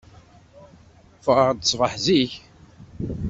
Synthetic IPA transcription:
fəʁɾˤd̪sˤvəħziç

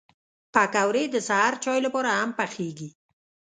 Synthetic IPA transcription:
pakawɾed̪əsaɦaɾt͡ʃɑjlapɑɾahampaxeɡi

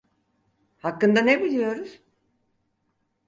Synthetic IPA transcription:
hakːɯnd̪anebilʲijo̞ɾuz̥

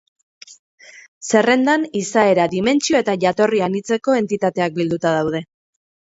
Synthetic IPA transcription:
se̞re̞nd̪anisae̞ɾaðime̞nt͡ʃio̞e̞t̪aʝat̪o̞rianit͡se̞ko̞e̞nt̪it̪at̪e̞ak̚bild̪ut̪að̞awð̞e̞

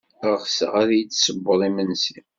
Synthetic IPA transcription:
χsə̰ʁaɾæjət͡sːsəbːəɾˤimənsi

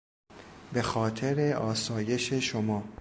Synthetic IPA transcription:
be̞xɒːt̪ʰe̞ɾe̞ɒːsɒːje̞ʃe̞ʃomɒː

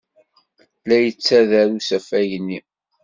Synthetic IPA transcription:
læjət͡sːæðæɾusæfæjənːi

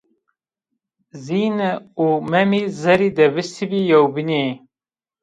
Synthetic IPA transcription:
ziːnɛumɛmiːzɛɾiːd̪ɛbɨst̪ʰibijɛwbine

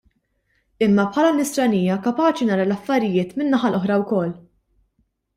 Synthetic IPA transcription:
ɪmːɐpħɐːlɐmɪst̪ɾɐniːjɐkɐpɐːt͡ʃinɐːɾɐlɐfːɐɾɪjɪːt̪mɪnːɐħɐlʔɔħɾɐwkɔlː

